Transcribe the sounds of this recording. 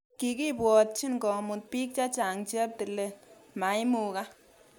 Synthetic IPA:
ki˨ki˦pwɔ˨t̚t͡ʃi˦nkɔ˨mu˨t̚pi˦k̚t͡ʃa˦t͡ʃa˨ŋt͡ʃi˦ɛ˦p̚ti˨le˦ma˨jmu˨ka˦

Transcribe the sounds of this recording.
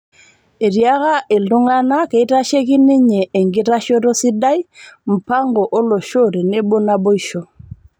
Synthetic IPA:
e˨ɾja˦ɣa˦ʔe˨ldu˦ŋa˦na˦ke˨i˦ta˦ʃe˦ki˦ni˦ɲeː˨ŋɡi˦ɾa˦ʃɔ˦ɾo˦si˦da˦jm̩˨pa˦ŋɡɔ˨ʔo˦lo˨ʃo˦˨ɾi˨ne˦bo˦na˦bo˦i˦ʃo˨

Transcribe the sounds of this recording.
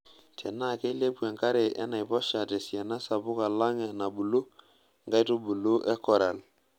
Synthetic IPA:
tʰe˨na˦˨ke˦le˦bwe˨ŋka˦ɾe˨ʔɛ̰˦na˨jbɔ˦ʃa˨te˨sja˨na˦sa˨bʊ˦ka˨la˦ŋe˨na˨bu˨lu˦ | ŋɡa˦jtu˦bu˨lu˦ʔɛ˦kɔ˨ɾa˨l

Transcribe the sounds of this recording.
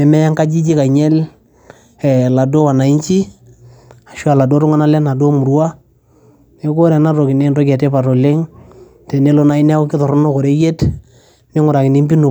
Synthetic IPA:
ɛ˨mɛ˦ja˦ŋka˦d͡ʒi˦d͡ʒi˦ka˨ɲɛ˦l | ɛ˨la˨do˦wa˨na˨i˦ɲt͡ʃi˦ | a˨ʃwa˨la˨do˦ɾʊ˦ŋa˦na˦lɛ˦na˨do˦mu˨ɾu˦a˦ | ne˦ko˦ɾɛ˨na˦ɾo˨kɪ˨ne˦ndo˦kɛ˨te˦pa˨ɾɔ˨le˦ŋ | tɛ˨ne˦lo˦na˦ɪ˦nɛ˦kɪ˦tɔ˨ɾʊ˦no˦kɔ˨ɾe˦ɡe˦t | nɪ˦ŋʊ˨ɾa˨kɪ˨nɪ˦mbi˦nu˨

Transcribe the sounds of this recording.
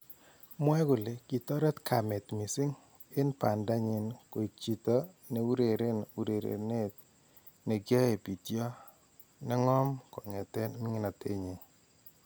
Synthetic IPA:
mwɛ˦ɡʊ˨le˨ki˨tɔ˦ɾɛ˦t̪kʰa˨mɛ˨t̪mi˨sɪ˦ŋ | ɪ˦npa˨nda˦ɲɪ˨nko˨i˨t͡ʃi˨tɔ˦ | ne˨u˦ɾe˨ɾe˦nu˨ɾe˨ɾḛ˨ne˦t̪̚ | ne˨ɡɔ˦e˨pi˨tjɔ˦ | nɛ˦ŋɔ˦mkɔ˨ŋɛ˨tɛ˦nmɪ˦ŋɪ˦na˨tʰe˦ɲe˨

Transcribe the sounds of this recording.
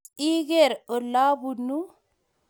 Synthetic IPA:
i˦ɡe˨ɾo˨lːa˦bu˨nu˦

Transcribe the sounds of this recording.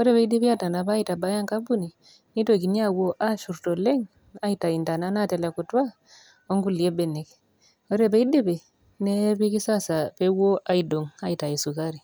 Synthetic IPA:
ɔ˦ɾɛ˨pe˦i˦de˦pi˦a˦ta˨na˨pa˦ita˨ba˦ja˦ŋka˦bu˦ni˨ | ni˦to˨k̬i˨ni˦a˦˨wo˦ʔa˦ʃu˨ɾto˨lɛ˦ŋ | a˦ita˨i˨nta˨na˦na˦tɛ˨lɛ˨ku˨twa˦ | o˦ŋɡu˦˨li˨e˦bɛ˨ne˨k | ɔ˦ɾe˨pe˦i˦de˦pe˨ | ne˦pi˦ki˦sa˦sa˨pe˦wo˦ʔa˦i˨do˨ŋa˦ita˨e˨su˨ka˦ɾi˨

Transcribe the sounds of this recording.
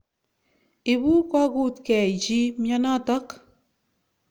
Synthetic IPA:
i˨bu˦kwa˦ɡu˦˨t̪kɛ˨d͡ʒi˦mja˦na˦ta˦k

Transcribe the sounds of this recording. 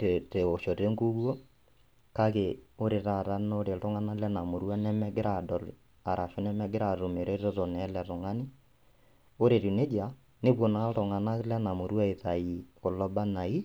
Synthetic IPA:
te˨te˨o˨ʃɔ˨te˦ŋɡu˦ɣwɔ˦ | ka˦ke˨o˦ɾe˨ɾa˨ɾa˦no˦ɾe˨tɔ˦ŋa˦na˦lɛ˦na˨mo˨ɾwa˦nɛ˦mɛ˦ɡɪ˦ɾa˨dɔ˨l | a˨ɾʔa˨ʃɔ˦nɛ˦mɛ˦ɡɪ˦ɾa˨ɾo˨me˨ɾe˦tɔ˦to˨nɛ˦lɛ˨ɾɔ˨ŋa˦ni˦ | o˦ɾe˨ɾu˨ne˦d͡ʒa˨ | ne˦pwo˨na˦tɔ˨ŋa˨na˦lɛ˦na˨mo˨ɾwa˦e˨ta˨i˨ko˨lɔ˦ba˦na˨i˦

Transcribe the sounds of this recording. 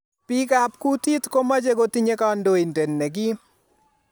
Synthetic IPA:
pi˦ka˨pku˦t̪i˦t̪ko˦ma˦d͡ʒe˦ko˦ti˦ɲe˦ka˦ndo˦i˨nte˨nːe˨ɡɪ˦

